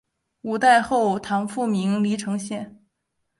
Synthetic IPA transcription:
u˨˩t̪a˥˧ɪxo˥˩ʊt̪ʰɑ˧˥ŋfu˥˩mi˧˥ŋli˧˥ʈ͡ʂʰɤ˧˥ŋɕjɛ˥˩n

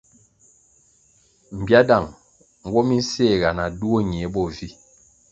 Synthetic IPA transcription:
m̩˨bja˦da˦˨ŋ | ŋ̩˦wɔ˦mi˦n˦se˦˨ɣa˨na˨du˦o˦ɲ˨e˨˦bɔ˦˨vi˦

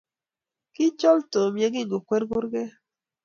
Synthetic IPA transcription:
ki˦t͡ʃɔ˦lto˨mje˨ɡi˦˨ŋɡo˨kwe˦ɾɡo˦ɾɡɛ˦

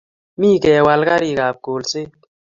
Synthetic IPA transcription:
mĩː˦˨kɛ˨wa˧lka˦ɾi˨ɡaː˨p̚ɡoː˨lse˦

